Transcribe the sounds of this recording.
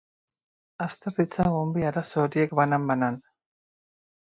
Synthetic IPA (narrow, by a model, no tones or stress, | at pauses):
ast̪e̞ɾðit͡saɣombiaɾaso̞ːɾie̞kbanambanan